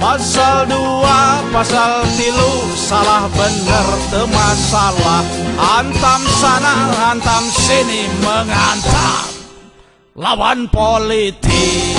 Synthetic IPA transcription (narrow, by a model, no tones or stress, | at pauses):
pasaldu | apasalt̪ilu | salahbənərt̪əmasalahhant̪amsanaɦant̪amsiniməŋant̪a̰m | lawanpolit̪i